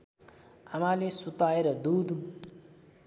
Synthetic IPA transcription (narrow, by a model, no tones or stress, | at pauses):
amalesut̪aeɾʌd̪ud̪